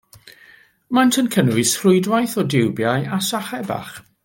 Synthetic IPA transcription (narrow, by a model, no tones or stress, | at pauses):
mantʰənkʰənwɨsrʊɨdwajθɔdɪwbjajasaχɛba̰χ